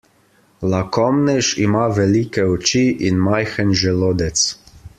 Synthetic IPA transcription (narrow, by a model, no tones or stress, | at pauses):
lakɔmnɛʃimaʋɛliːkɛɔt͡ʃiʔinmajxənʒɛloːd̪ɛt̪s